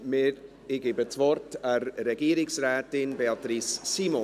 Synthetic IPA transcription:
mɪɾ | ɪɡɪbət͡svɔɾtəɾɾɛɡiːɾɪksraːtɪnbɛltɾisːiːmɔ

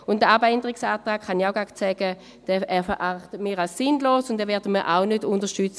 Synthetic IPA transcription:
ʊntdəabɛndəʁɪksaːtʁaːkχaniaʊɡakt͡sɛɡ̥ə | d̥ɛɛːfəʔaχtəmiːʁalsːinloːsʊndɛvɛːɐdəməʔa̰ʊnødʊndəʃtyt͡s

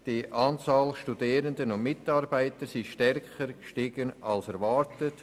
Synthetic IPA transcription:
d̥iʔɑːnt͡sɑːlʃtudiːɾəndənʊnmɪtɑɾbaɪtəɾsiʃtɛɾkχəɾkʃtɪɡənɑlsɛɾvɑːɾtət

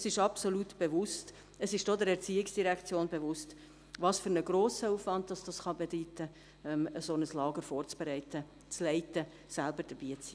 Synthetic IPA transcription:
sɪʃɑpsolutb̥evʊst | əsɪʃd̥od̪əɾɛɾt͡siːɪksd̥iɾækt͡sjoːnbevʊst | ʋɑːsfʏɾnəɡɾoːsəuːfvɑnt̚d̥ɑsd̥ɑsχɑbedyːtə | ɛməsonəslɑːɡəɾfoːɾt͡sb̥ɛɾɛɪt̪ə | t͡slɛɪtə | sælbəɾd̥əɾb̥iːt͡siː

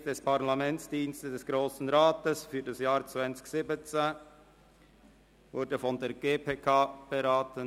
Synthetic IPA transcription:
d̥ɛspʰaʁlamɛnt͡sd̥iːnstədɛsɡ̥ɾoːsn̩ɾaːtəsfyːɐdasjaːɾt͡svant͡sɪ̥çsɪbət͡se | vʊɾdəfɔndeːɾɡ̥eːpʰeːkʰaːb̥eɾaːtən

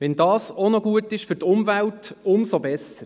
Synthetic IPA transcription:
ʋɛndɑːsonɔɡuətɪʃfʏɾtʊmvæltʊmsobɛsəɾ

